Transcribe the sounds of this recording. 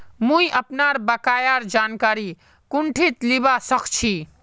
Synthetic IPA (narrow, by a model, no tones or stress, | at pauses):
mũjʔəpnaɾbəkajaɾd͡ʒankaɾi | kuɳʈʰit̪libasəkʰt͡ʃʰi